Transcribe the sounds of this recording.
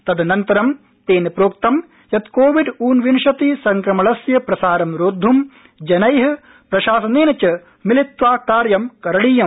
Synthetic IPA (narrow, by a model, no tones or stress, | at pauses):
t̪ɐd̪ɐnɐnt̪ɐɾɐm | t̪eːnɐpɾoːk̚t̪ɐm | jɐt̪koːʋiɖuːnʋinʃɐt̪isɐŋkɾɐmɐɭɐsjɐpɾɐsaːɾɐmɾoːd̪ʱːum | d͡ʒɐnɐjɦɐ | pɾɐʃaːsɐneːnɐt͡ʃɐ | milit̪ʋaːkaːɾjɐmkɐɾɐɽiːjɐm